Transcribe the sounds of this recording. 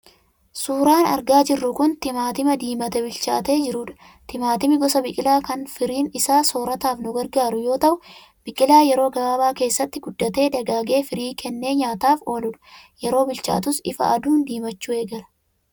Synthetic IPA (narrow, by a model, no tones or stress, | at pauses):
suːɾaːnɐ̰ɾɡaːd͡ʒɪrːʊkʊnt̪ɪmaːt̪ɪmɐd̪iːmɐt̪ɛbɪlt͡ʃa̰ːt̪e̞ːd͡ʒɪɾuːᶑɐ | t̪ɪmaːt̪ɪmɪɡɔsɐbɪkʼɪlaːkɐnfɪɾiːnɪsaːso̞ːɾɐt̪aːfnʊɡɐɾɡaːɾʊjo̞ːt̪ɐʔʊ | b̥ɪkʼɪlaːjɛɾo̞ːɡɐbaːbaːke̞ːsːɐt̪ːɪɡʊd̪ːɐt̪e̞ːᶑ̪ɐɡaːɡe̞ːfɪɾiːkʰɛnːe̞ːɲaːt̪aːfo̞ːlʊᶑɐ̥jɛɾo̞ːbɪlt͡ʃa̰ːt̪ʊsɪfɐ̰ʔɐd̪uːnd̪iːmɐt͡ʃːuːeːɡɐlɐ̥